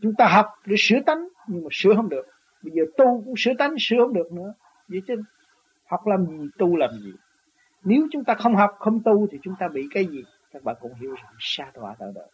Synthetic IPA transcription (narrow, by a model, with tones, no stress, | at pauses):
t͡ɕʊ˨˦ŋ͡mt̪aː˧ɦa˨˩wk͡p̚ɗe˨˦sɨ˧˥˦ət̪a˨˦jŋ̟ɲɨ˧ŋmaː˨˩sɨ˧˦əɦə˧wŋ͡mɗɨ˨˩ək̚ | ɓə˧jzəː˨˩t̪u˧kʊ̰˧˥ŋ͡msɨ˨˧˦ət̪a˨˦jŋsɨ˨˧˦əhə˧ŋ͡mɗɨ˨˩ək̚nɨ̰˧˥ə | zə˨˦jt͡ɕə˨˦ | ha˨˩wk͡p̚laː˨˩mzi˨˩t̪u˧laː˨˩mzḭ˨˩ | ne˨˦wt͡ɕʊ˨˦ŋ͡mt̪aː˧xə˧wŋ͡mɦa˨˩wk͡p̚xə˧wŋ͡mt̪u˧t̪ʰi˨˩t͡ɕʊ˨˦ŋ͡mt̪aː˧ɓḭ˧˨kaː˨˦jzi˨˩ | kaː˦˥k̚ɓa̰ː˧˨nkɔ̰˧˩nɦi˨˧˦əwza˨˩ŋsaː˧t̪waː˧˩t̪ə̰ː˧˩ɗə̰˧˨j